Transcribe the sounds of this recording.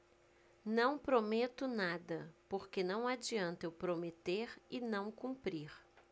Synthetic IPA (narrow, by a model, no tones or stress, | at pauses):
nɐ̃w̃pɾomet̪ʊnad̪ɐpoɾkenɐ̃w̃ad͡ʒiɐ̃nt̪ewpɾomet̪eɾɪnɐ̃w̃kũmpɾiɾ